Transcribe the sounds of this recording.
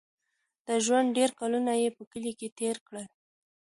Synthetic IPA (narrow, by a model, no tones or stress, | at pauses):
d̪̥əʒwand̪̚ɖeɾkɑlunajepəkəliket̪eɾkɽəl